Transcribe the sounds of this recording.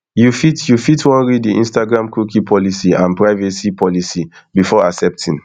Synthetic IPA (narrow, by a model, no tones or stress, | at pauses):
jufitjufitʰwɔ̃nɹiddiʔḭ̃nstaɡɹãmkukipʰɔlisiãnpɹaɪvɛsipʰɔlisi | bifɔasɛp̚tʰĩn